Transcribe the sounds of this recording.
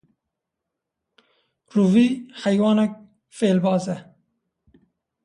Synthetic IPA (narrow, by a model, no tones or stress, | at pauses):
ruvihajwɑːnɐk̚ | feːlbɑːzɛ